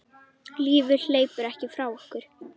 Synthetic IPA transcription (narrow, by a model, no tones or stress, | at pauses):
liːvʏl̥eːjpʏɾɛhcɪfɾaːwɔhkʏɾ̥